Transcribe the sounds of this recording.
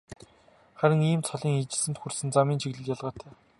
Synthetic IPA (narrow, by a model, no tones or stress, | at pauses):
χæɾə̆ŋiːmt͡sʰɔɮiːŋit͡ɕɪ̆ɮsɘ̆nt̪xursɘ̆nt͡samiːnt͡ɕʰiɣɮɘ̆kjaɮʁaːt̪ʰæː